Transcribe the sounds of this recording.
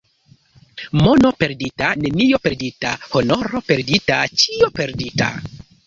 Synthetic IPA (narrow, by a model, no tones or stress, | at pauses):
mono̞pe̞ɾditane̞nijo̞pe̞ɾditahonoɾope̞ɾditat͡ʃiope̞ɾdita̰